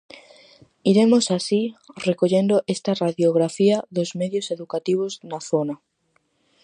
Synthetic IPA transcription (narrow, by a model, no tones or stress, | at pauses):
iɾemosasirekoʎend̪oʔest̪araðjoɣ̞ɾafiaðozmeðjoseðukat̪iβ̞oznaθona